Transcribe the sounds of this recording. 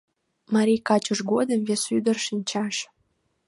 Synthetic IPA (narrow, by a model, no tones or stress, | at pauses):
mɑɾʲijkɑt͡ɕoʃɡod̪əmvesyd̪ərʃinʲt͡ɕɑʃ